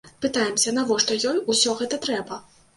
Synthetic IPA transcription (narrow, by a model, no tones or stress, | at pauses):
pɨt̪ajɛmsʲɐnavɔʂt̪ɔjɔjusʲɔɣɛt̪ɐt̪ɾɛbɐ